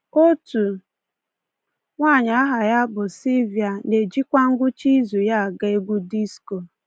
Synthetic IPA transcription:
o˦tu˨ | ŋʷa˦˨ɲa˨a˦ɦa˨ja˦bʊ˨si˦vi˨a˨ne˨d͡ʒi˦kʷa˦ŋ̩˦ɡʷʊ˦t͡ʃi˦zu˨ja˦a˨ɡa˦e˦ɡu˦di˦sko˨

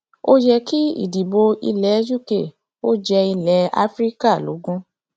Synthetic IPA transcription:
o˦jɛ˧ki˦ḭ˦˨di˨bo˧ḭ˧lɛ˨˦d͡ʒu˦˨ke˨ | o˦d͡ʒɛ˧i˧lɛ˨˦a̰˦fɾi˦ka˦˨lo̰˨˦ɡũ˦

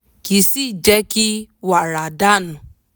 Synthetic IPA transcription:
ki˨si˦d͡ʒe˦ki˦wa˨ɾa˨da˦˨nʊ˨

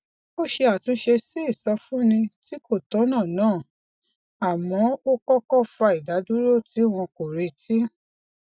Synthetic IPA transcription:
o˦ʃe˧a˨tũ˦ʃe˧si˦i˦˨sɔ˧fũ˦nĩ˧ti˦ko˦˨tɔ̃˨˦nã˦˨nãː˦˨ | a˨mɔ̃˨˦o˦kɔ˦kɔ˦fa˧i˨da˨˦du˦ɾo˦˨ti˨˦w̃ɔ̃˧ko˨ɾe˧ti˦

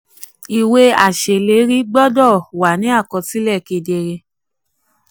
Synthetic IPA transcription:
i˨we˧˦a˨ʃe˨le˨˦ɾi˦ɡ͡bɔ˦dɔ˦˨wa˨nĩ˨˦a˦˨kɔ̃˧ti˦lɛ˦˨ke˧de˧ɾe˧

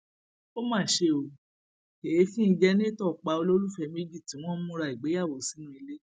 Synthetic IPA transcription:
o˦mãː˦˨ʃe˧o˧ | e˨e˨˦fĩ˦i˧d͡ʒɛ˧nĩ˦tɔ˦˨k͡pa˨˧o˧lo˦lu˦fɛ˧me˦d͡ʒi˦˨tĩ˨˦w̃ɔ̃˦mũ˦ɾa˧i˨ɡ͡be˨˦ja˦˨wo˨si˨˦nũ˦i˧le˦

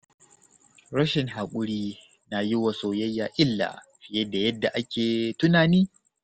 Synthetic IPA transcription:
ɾɐ˦ʃɪ˨ŋɦa˨kʷʼʊ˦ɽiː˦ | na˨jɪ˦wa˨soː˨jɐ˦jːaː˨ʔɪ˦lːa̰ː˨ | ɸɪ˨jɛ˦da˨jɐ˦dːa˨ʔa˦kʲʰeː˨tʊ˦naː˨niː˦

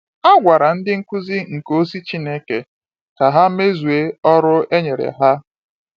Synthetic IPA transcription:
a˦ɡʷa˨ɾa˨n̩˦dɪ˦ŋ̩˦kʷʊ˦zi˦ŋ̩˨ko˦si˦t͡ʃi˦ne˦ke˨ | ka˨ɦa˦me˦zu˨e˦ɔ˦ɾʊ˦e˦ɲe˨ɾḛ˨ɦa˦

